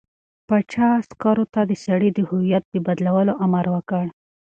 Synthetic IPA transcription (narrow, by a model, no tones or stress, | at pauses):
pat͡ʃɑskaɾot̪ad̪əsaɽid̪əhʊwijat̪̚d̪əbad̪lawəloʔamaɾwəkəɽ